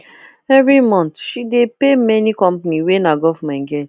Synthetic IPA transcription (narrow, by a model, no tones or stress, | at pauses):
ɛvɾimɔ̃nt̪ʃidepemɛnikɔ̃mpniwenaɡɔfmãnɡɛt